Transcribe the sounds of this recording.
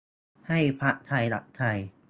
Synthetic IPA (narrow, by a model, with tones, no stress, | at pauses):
ha˥˩jpʰa˦˥ʔt̪ʰa˧jla̰˨˩ʔ̚t̪ʰa˧j